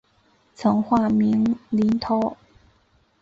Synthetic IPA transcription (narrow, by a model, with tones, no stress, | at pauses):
t͡sʰɤ˨˥ŋxwaː˥˩mi˧˥ŋli˨˧˥nt̪ʰɔ˦˥